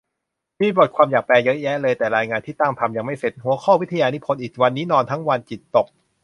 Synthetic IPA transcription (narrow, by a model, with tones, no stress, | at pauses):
miː˧bo˨˩t̪̚kʰwaː˧mjaː˨˩k̚pɛː˧jɤ˦˥ʔjɛ˦˥lɤː˧jt̪ɛː˨˩ɾaː˧jŋaː˧nt̪ʰiː˥˩t̪a˥˩ŋt̪ʰa˧mja˧ŋma˥˩jse˨˩t̪̚ɦu˨˩˦ɐkʰɔː˥˩wi˦˥t̪ʰa˧jaː˧nu˦˥pʰo˧nʔiː˨˩kwa˧nːiː˦˥nɔː˧nt̪ʰa˦˥ŋwa˧nt͡ɕi˨˩t̪ːo˨˩k̚